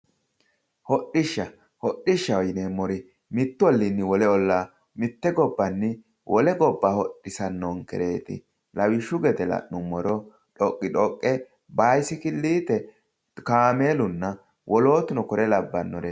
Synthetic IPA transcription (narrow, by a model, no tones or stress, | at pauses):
hɔɗɪʃːɐ | hɔɗːɪʃːɐɔjɪneːmːɔɾɪ | mɪt̪ːʊɔlːɪnːɪwɔlɛɔlːaː | mɪt̪ːɛɡɔbːɐnːɪ | wɔlɛɡɔbːaːhɔɗːɪsɐnːoŋkɛ̰ɾe̞ːt̪ɪ̰ | lɐwɪʃʊɡɛt̪ɛlɐ̰ʔːʊmːɔɾɔ | ᶑɔkʼːɪᶑɔkʼːɛ | baːjsɪkɪlːiːt̪ɛ | kaːme̞ːlʊnːɐ | wʔɔlo̞ːt̪ʊnɔkɔɾʔɛlɐbːɐnːɔɾe